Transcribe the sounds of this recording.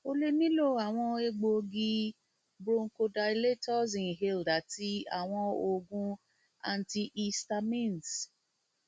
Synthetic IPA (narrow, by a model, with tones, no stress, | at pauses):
o˧le˧nĩ˦lo˦˨a˨w̃ɔ̃˧e˧ɡ͡bo˧ɡi˧ | bɾo˧ŋ̩˦ko˧da˧i˧le˦tɔ˦sĩ˨n˨ɦe˦˧˨lda˨˦ti˦a̰˨w̃ɔ̃˧o˧ɡũ˧ | a̰˧n̩˨ti˧ʔi˧sta˧mĩ˦˨ns